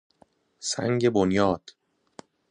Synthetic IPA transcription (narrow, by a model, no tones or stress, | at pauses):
sæ̰ŋɟe̞bonjɒːd̪̥